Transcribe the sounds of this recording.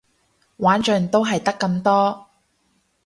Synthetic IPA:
waː˨˥nt͡ʃœ˨˩ŋt̪o˥wɦɐ˨jt̪ɐ˥kːɐ˧mt̪ɔː˥

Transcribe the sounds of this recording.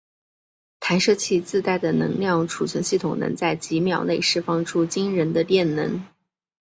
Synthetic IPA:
t̪ʰa˧˥nʂɤ˥˧t͡ɕʰi˥˧t͡sɹ̩˥˧t̪a˥˩ɪd̪ə˩nɤ̰˧˥ŋljɑ˥˩ŋʈ͡ʂʰu˨˩t͡ɕʰɥɛ˧˥nɕi˥˩t̪ʰʊ˨˩ŋnɤ̰˧˥ŋt͡sa˥˩ɪt͡ɕi˧˥mjɑ˨˩ʊne˥˧ɪʂɻ̩˥˩fɑ˥ŋʈ͡ʂʰu˥t͡ɕi˥ŋɻə˧˥nd̪ə˧t̪jɛ˥˩nnɤ˧˥ŋ

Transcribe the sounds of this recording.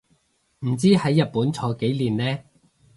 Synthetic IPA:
m̩˨˩t͡siː˥hɐ˨˥jːɐ˨t̚puː˨˥nt͡sʰɔː˨˥ke˨˥jliː˨˩nlɛː˥

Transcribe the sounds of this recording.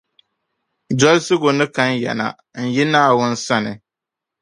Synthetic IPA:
d͡ʒɔ˦lsɨ˦ɡo˨nɨ˦ka˦n˦jɛ̰˨na̰˨ | n̩˨ji˦naː˦˨wʊ˦n̩˦sa˦nɨ˨

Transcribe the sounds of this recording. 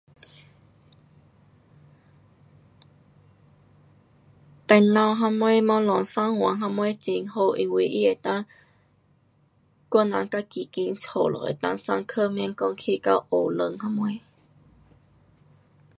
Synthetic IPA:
t̪a˧˩nã˧˩wɦa˧mwe˦mã˧lɔ˨˩ŋsa˦˥ŋhwa˨˦ŋɦa˧mwe˦t͡ɕi˧˩ŋho˧ʔi˧˩wi˧ʔḭ˦˥e˨˩t̪ã˦˥ŋ | ka˧˥nːã̰˧˦ŋka˦˥ki˨˩ki˧˦ŋt͡sʰo˨˩lʔɔ̰˨ʔḛ˨˩t̪ã̰˦ŋsa̰˧ŋkʰə˥˧˨mɛ˧˦ŋkɔ˧ŋkʰi˧ka˧ʔo˨˩lə˧˨ŋha˧˥mwe˧˦

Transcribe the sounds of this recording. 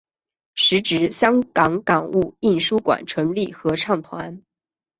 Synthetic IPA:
ʂɻ̩˧˥ʈ͡ʂɻ̩˧˥ɕjɑ˥ŋkɑ˧˥ŋkɑ˨˩ŋu˥˩i˥˩nʂu˥kwa̰˨˩nʈ͡ʂʰɤ˧˥ŋli˥˩xɤ˧˥ʈ͡ʂʰɑ˥˩ŋt̪ʰwa˧˥n

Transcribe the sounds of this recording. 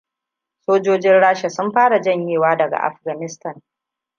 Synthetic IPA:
soː˦d͡ʒoː˦d͡ʒɪ˦nɽaː˦ʃa˨sʊ˦mɸaː˦ɽa˨d͡ʒɐ˦˨ɲjeː˨waː˦dɐ˨ɡa̰˨ʔa̰˨ɸɡɐ˨nɪ˦stɐ˦˨n

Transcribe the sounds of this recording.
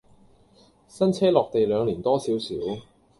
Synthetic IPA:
sɐ˥nt͡sʰɛː˥lɔː˨k̚t̪e˨jlœː˨˧ŋliː˨˩nt̪ɔː˥siː˨˥wsḭː˨˥w

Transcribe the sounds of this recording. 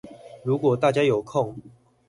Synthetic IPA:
ɻu˨˦˥kwɔ˨˩t̪a˥˩t͡ɕja˥jo˨˩ʊkʰɔ˥˨ŋ

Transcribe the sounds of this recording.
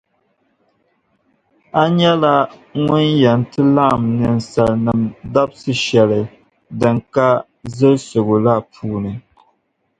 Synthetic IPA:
a˦ɲɛ˦la˦ŋʊ˦njɛ˨n˨tɨ˦la˦ʔmnɨ˨n̩˨sa˨lnɨ˨mda˦bsɨ˦ʃɛ˨lɨ˨ | dɨ˨ŋka˦ | zɨ˦ɾso˨ɡo˨la˦pʰuː˦nɨ˨

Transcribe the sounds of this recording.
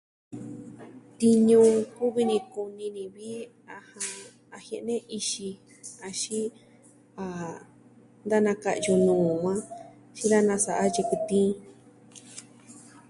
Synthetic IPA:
t̪i˧ɲũ˧˦ku˦βi˧nĩ˧ku˧nĩ˧nĩ˧βi˦ | a˧hã˧ | a˧he˧ʔnẽ˦ʔi˧ʃi˧ | a˧ʃi˦ | a˨ | nd̪a˦nã˧ka̰˧ʔju˧nũː˨ŋʷã˦ | ʃĩ˦ða˦nã˧sa˧˨ʔa˦je˧ku˧t̪ĩː˦

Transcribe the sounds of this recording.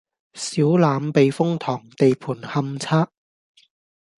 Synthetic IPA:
siː˨˥wlaː˨˧mpe˨jfʊ˥ŋt̪ʰɔː˨˩ŋt̪e˨jpʰuː˨˩nhɐ˧mt͡sʰaː˥ʔ̚

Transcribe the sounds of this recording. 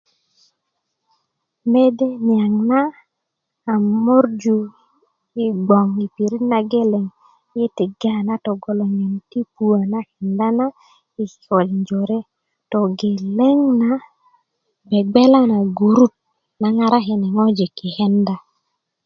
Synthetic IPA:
me˦de˦nja˨ŋnaː˦˨ | mo˦ɾd͡ʒu˦ | i˦ɡ͡bɔ˨ŋi˨pi˨ɾi˦na˨ɡe˦le˨ŋ˦ | ɪ˦tɪ˨ɡa˦˨na˦tɔ˨ɡɔ˨lo˨ŋe˨nti˦pu˦a˨na˦hɛ˨nda˦na˦ | i˨t͡ʃɔ˨lɲd͡ʒo˨ɾe˦ | tɔ˨ɡe˨le˦ŋna˨˦ | bɛ˨ɡ͡bɛ˦la˦na˨ɡu˨ɾu˦t̚ | na˨ŋa˨ɾa˦ɦɛ˨nɛ˨ŋɔ˦d͡ʒi˨kɪ˨hɛ˦nda˦

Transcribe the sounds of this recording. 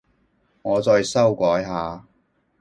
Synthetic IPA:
ŋɔː˨˧t͡sɔː˧jsɐ˥wkʷɔː˨˥jɦaː˨˧

